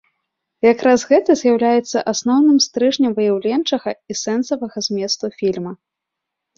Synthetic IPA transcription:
jakɾazɣɛt̪ɐzʲjawlʲajɛt̪sːɐ̰ʔasnɔwnɨmst̪ɾɨʐnʲɐmvɨjawlʲɛnt͡ʂɐɣɐisɛnsɐvɐɣɐzʲmʲɛst̪ufʲilʲmɐ

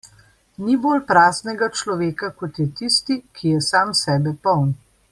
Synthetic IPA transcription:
niboːlpɾaːznɛɡat͡ʃlɔʋeːkakɔt̪jɛt̪ist̪ikʰijɛsaːmsɛːbɛpɔwn

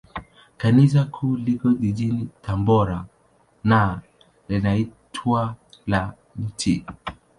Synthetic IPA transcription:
kanis̬akʰulikɔʄiʄinitambɔɾa | na | lɛnaitʰwala | n̩ti

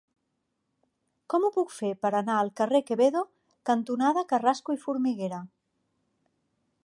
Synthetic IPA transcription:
kɔmupukfeɾpəɾanaəlˠkərekeβeðo | kənt̪unað̞əkəraskuifuɾmiɣeɾə

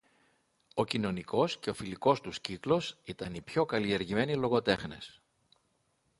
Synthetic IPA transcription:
o̞cino̞niko̞sce̞o̞filiko̞st̪usciklo̞sit̪ɐnipço̞kɐlie̞ɾʝime̞nilo̞ɣo̞t̪e̞xne̞̰s

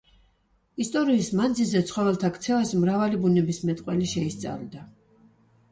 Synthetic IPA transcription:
ist̪ʼɔɾiːsmand̪zilzɛt̪sʰχɔvɛlˠt̪ʰakʰt̪sʰɛvasmɾavalibunɛbismɛt̪ʼqʼwɛliʃɛist̪sʼa̰ld̪a

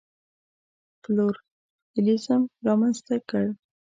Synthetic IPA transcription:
ploɾ | əlisamɾɑmanzt̪akəɽ

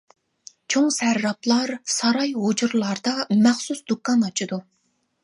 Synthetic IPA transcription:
t͡ʃʰoŋsæɾːɑplˠɑɾsɑɾɑjɦod͡ʒuɾlˠɑɾd̪ɑmæχsusd̪ukːɑnɑt͡ʃʰid̪u

